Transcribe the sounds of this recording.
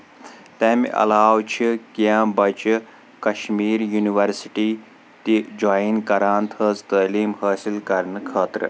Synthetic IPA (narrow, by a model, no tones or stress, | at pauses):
t̪eːm̰ʔɐ̰laːwt͡ʃʰikijãːbɐt͡ʃ | kɐʃmiːɾjuniʋɐɾsiʈiː | t̪id͡ʒaːinkɐɾaːnt̪ʰəːzt̪əːliːmhɐːsilkɐɾnɨkʰəːt̪ɾɨ̰